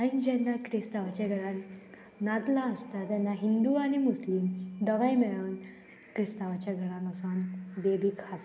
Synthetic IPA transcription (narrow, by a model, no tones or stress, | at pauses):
ãid͡ʑɛnːakɾist̪aʋat͡ɕaɡʱəɭãn | nat̪laəst̪at̪janːaɦind̪uaɽ̃imuslimd̪əʋajmɛɭuːn | kɾist̪aʋat͡ɕjaɡʱəɽãnkəsanbebʱikʰat̪